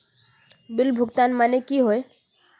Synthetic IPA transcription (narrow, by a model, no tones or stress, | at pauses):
bilbʱʊɡt̪anmanekiɦoe